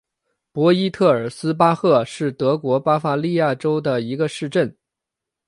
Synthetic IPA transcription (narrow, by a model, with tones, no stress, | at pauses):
pwɔ˧˥i˥t̪ʰɤ˥˩ə˞˨˩sɹ̩˥p̬a˥xɤ˥˧ʂɻ̩˥˩t̪ɤ˧˥kwɔ˧˥pa˥fa˧li˥˧ja˥˩ʈ͡ʂo˥ʊd̪ə˨i˧˥ɡə˧ʂɻ̩˥˧ʈ͡ʂə˥˩n